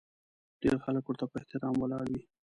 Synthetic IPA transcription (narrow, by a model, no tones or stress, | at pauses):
ɖ̥eɾxaləkwəɾt̪apəeht̪ɪɾɑmwəlɑɽwi